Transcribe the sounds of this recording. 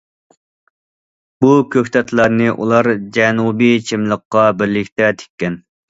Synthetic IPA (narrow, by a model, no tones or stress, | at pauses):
b̥ukʲʰøkʲt̪ʰɛt̪ʰlˠɑɾnɨʔṵlˠɑɾd͡ʒɛnubijt͡ʃʰimlˠəqːɑbɪɾlɪkʲt̪ɛt̪ʰe̥kʲːɛn